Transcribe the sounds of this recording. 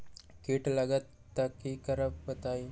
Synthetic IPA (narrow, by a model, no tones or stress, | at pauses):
kiʈləɡət̪ːəkːikəɾəppət̪aj